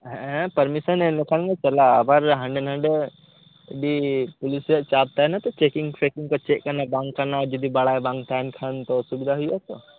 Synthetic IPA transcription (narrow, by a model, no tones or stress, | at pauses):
ɦɛ̃pɐɾmisənenokʰanŋet͡ʃɐlaɐbəɾɦɐ̃ɳɖenɦɐ̃ɳɖe | bipʊliset͡ʃaːb̚t̪aɦɛnat̪ot͡ʃeːkɪ̃ŋɡfekĩŋkot͡ʃeːkːɐɾnabãːŋɡkɐɾnad͡ʒɐd̪ʱibɐɽaebãːŋɡt̪aɦɛnkʰant̪osubid̪ʱaɦuiɦɛt̪o